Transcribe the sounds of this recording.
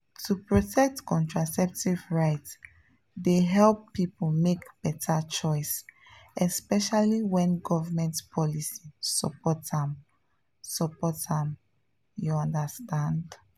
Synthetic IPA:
tʰupɹɔtʰɛk̚tkɔ̃ntɹasɛp̚tivɹaɪts | deɦɛlpːiplmekb̥ɛtʰat͡ʃɔɪs | ɛspɛʃaliwɛ̃nɡɔvamɛ̃ntpʰɔlisisəpɔtãm | səpɔtãm | juãndəstãnd

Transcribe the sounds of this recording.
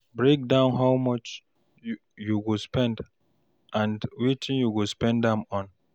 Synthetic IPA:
bɹek̚dãʊ̃nɦaʊmɔt͡ʃ | juɡospɛ̃nd | ãndwitɪ̃njuɡospɛ̃ndãmɔ̃n

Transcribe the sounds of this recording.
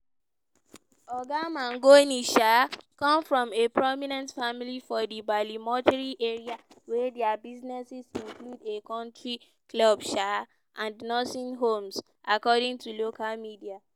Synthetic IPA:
ɔɡamãŋɡoniʃakɔ̃mfɹɔ̃mepɹɔminɛ̃ntfamilifɔdibalimɔ̃taɹiʔeɹia | wɛdɛabiznɛsɛsĩŋkludekɔ̃ntɹi | klɔbʃa | ʔãndnɔsĩnɦõms | ʔakɔdĩŋtulokalmidia

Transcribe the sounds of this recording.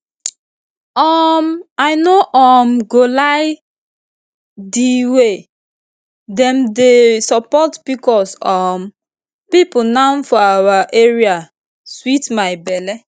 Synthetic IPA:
ɔmaɪnoʔɔmɡolaɪ | diwe | dɛ̃mdesɔpɔtb̥ikɔsɔm | pipunãnfɔawaʔeɹia | switmaɪbɛlɛ

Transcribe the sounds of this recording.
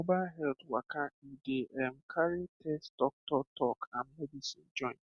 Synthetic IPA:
obalɦɛltwakaideʔɛm̩kʰaɾitʰɛstɔk̚tɔtɔkam̩medisḭnd͡ʒɔ̃ɪ̃n

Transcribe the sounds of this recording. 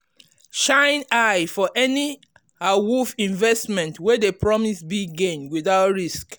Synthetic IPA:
ʃãɪ̃naɪfɔʔɛni | awufĩɱvɛstmɛ̃ntʰwɛdepʰɹɔmisbiɡẽnwiðaʊtɹisk

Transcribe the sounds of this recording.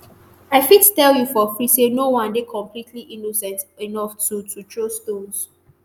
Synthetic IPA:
aɪfittɛljufɔfɹisenowãndekʰɔ̃mpʰlitʰliʔinosɛ̃ntinɔftutʰutʰɹostõns

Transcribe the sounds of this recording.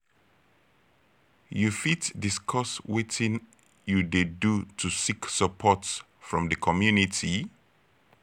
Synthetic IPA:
jufitdiskʰɔswetĩn | judedutʰusiksəpʰɔts | fɹɔ̃mdəkʰɔmjunitʰi

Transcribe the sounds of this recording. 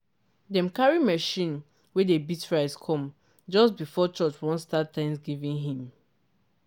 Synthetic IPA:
dɛ̃mkaɹimɛʃĩn | wɛdebitɹaɪskʰɔ̃m | d͡ʒɔstbifɔt͡ʃɔt͡ʃwɔ̃ntstattːãnsɡivĩŋɦĩm

